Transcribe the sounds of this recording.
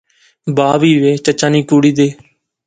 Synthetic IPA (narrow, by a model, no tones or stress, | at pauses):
baːʋiːʋeːt͡ʃət͡ʃãːniːkuːɽiːd̪eː